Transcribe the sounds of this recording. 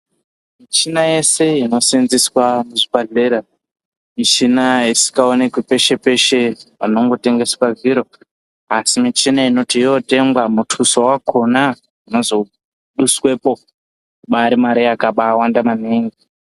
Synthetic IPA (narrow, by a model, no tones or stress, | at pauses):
mit͡ʃinaje̞se̞ino̞sinziswamuʐibaɮe̞ɾa | mit͡ʃinaisi̥kaonekwipe̞ʃe̞pe̞ʃepano̞ŋɡo̞te̞ŋɡe̞swaviɾo̞ | asimit͡ʃinaino̞tijo̞te̞mɡwamutʰusowakʰona | ino̞zo̞ | ɗuswe̞po̞ | kuɓaɾimaɾijakaɓaːwandamaneːŋɡi